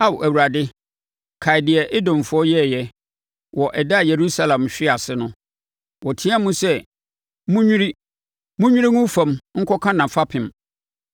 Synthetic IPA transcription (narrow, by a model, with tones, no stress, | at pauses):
a˦˨wʔæ˨wu˨ɾa˨dɪ˦ | kʰa˨ɪ˨dɪ˨a˨ʔɪ˦dɔ̃˨m˨fʊ˨˦ɔ˦jɛ˦˨jɛ˦ | wɔ˨ʔɛ˨da˦˨je˨ɾu˦sa˦lã˨mɕᶣɪ˦a˨sɪ˦nʊ̃˦ | wɔ˨tʰĩ˦a˦mũ˦sɛ˦ | mũ˦ɲᶣĩ˦ɾi˦ | mũ˦ɲᶣũ˦ɾi˦ŋʊ̃˦fã˨mŋ̩˦kʰɔ˦kʰã˦nã˨fa˦pʰɪ̃˨m